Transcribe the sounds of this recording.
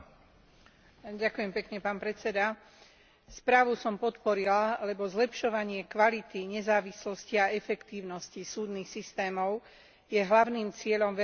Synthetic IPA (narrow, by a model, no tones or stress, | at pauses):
ɟakujɛmpɛkɲɛpaːnpɾɛt͡sɛd̪a | spɾaːʋusɔmpɔt̪pɔɾilalɛbɔzlɛpʃɔʋaɲɪɛkʋalit̪iɲɛzaːʋislɔsciaɛfɛkt̪iːʊnɔscisuːd̪niːxsist̪ɛːmɔʊ | jɛɦlaʊniːmt͡sɪɛʎɔmʋɛ